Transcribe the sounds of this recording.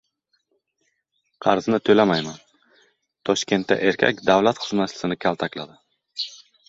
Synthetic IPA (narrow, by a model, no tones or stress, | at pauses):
qʰɑɾznɪt̪ʰɵlamajman | t̪ʰɒʃkʲʰe̞nt̪ʰːa̰ʔe̞ɾkʲʰa̰kʲd̪awlat̪χʊ̥znat̪lɪ̥sɪnɪkʲʰalˠt̪ʰakʲlad̪ɪ